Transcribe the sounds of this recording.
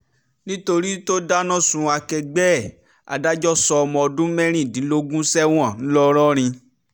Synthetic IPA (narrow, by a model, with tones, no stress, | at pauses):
nĩ˦to˧ɾi˦to˦da˦nã˦˨sũ˧a˧kɛ˧ɡ͡bɛ˦˨ | a̰˨da˦d͡ʒɔ˦sɔ˧ɔ˧mɔ̃˧ɔ˧dũ˦mɛ̃˦ɾ̃ĩ˦˨dĩ˨˦lo˧ɡũ˦sɛ˦w̃ɔ̃˦˨ñ̩˦lɔ˦ɾɔ˦ɾ̃ĩ˧